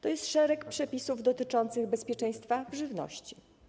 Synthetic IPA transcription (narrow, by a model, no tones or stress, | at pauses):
t̪ɔjɛst̪ʂɛɾɛkpʂɛpʲisuvd̪ɔt̪ɘt͡ʂɔnt̪sɘɣbɛspʲjɛt͡ʂɛ̃j̃st̪favʐɘvnɔ̰ɕt͡ɕi